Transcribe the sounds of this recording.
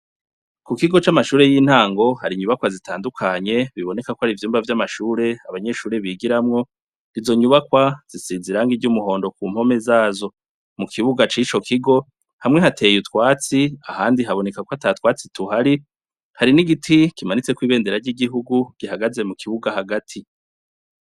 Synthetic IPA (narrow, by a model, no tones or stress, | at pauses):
kukiɡo̞t͡ʃamaʃuːɾe̞jiːn̥haːŋɡo̞haɾiɲuβakwazitʰaːndukʰaɲe̞βiβo̞ne̞kakohaɾivjuːmbvavjamaʃuːɾe̞aβaɲe̞ʃuːɾe̞βiɡiɾamŋo̞ | izo̞ɲuβakwaz̥isiːziɾaŋɡiɟumuho̞ːndo̞k̚uːm̥ho̞me̞zaːzo̞ | mukʰiβuɡat͡ʃit͡ʃo̞kʰiɡo̞ | hamŋe̞hatʰe̞jutkwaːt͡siahaːndiɦaβo̞ne̞kakwoataːtwaːt͡situhaɾi | haɾiniɡitʰikimanit͡se̞kwiːβe̞ːndeɾaɾɟiɡiɦuɡuɡ̥iɦaɡaze̞mukʰiβuɡahaɡatʰi